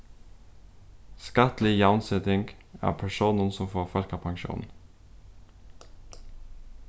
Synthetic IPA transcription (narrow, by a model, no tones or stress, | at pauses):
skɑt̪lɪjɑʊnsɛt̪ɪŋɡ | æ̰ːpʰæʃuːnənsɔmfoːfœlkɑpʰɑŋʃṵːnn̩